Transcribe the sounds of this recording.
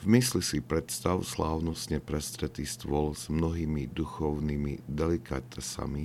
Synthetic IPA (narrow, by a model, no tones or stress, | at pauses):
vmislisipɾɛt̪st̪aʊslaːʊnɔst̪ɲɛpɾɛst̪ɾɛt̪iːst̪ʋɔlz̥mnɔɦiːmid̪uxɔʊniːmid̪ɛlikat̪ɛsa̰mi